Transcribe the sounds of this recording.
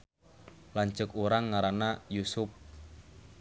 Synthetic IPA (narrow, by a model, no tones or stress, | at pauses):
laɲt͡ʃʊkuɾaŋːaɾanajusʊp̚